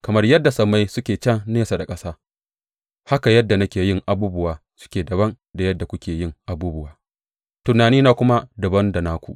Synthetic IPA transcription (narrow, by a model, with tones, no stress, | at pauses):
kɐ˨mɐ˦rjɐ˦dːa˨sɐ˨mːa˦jsʊ˦kʲeː˨t͡ʃɐ˦˨ŋneː˦sa˨da˨kʼɐ˦saː˦ | ha˦ka˨jɐ˦dːa˨nɐ˦kʲeː˨jɪ˦ŋʔa˨buː˦bʊ˦waː˨ | sʊ̥˦kʲeː˨dɐ˨βɐ˦n | da˨jɐ˦dːa˨kʷʊ˦kʲeː˨jɪ˦ŋʔa˨buː˦bʊ˦waː˨ | tʊ˨naː˨niː˦naː˨kʷʊ˦ma˦dʊ˨bɐ˦nda˨naː˦kʷṵ˨ʔ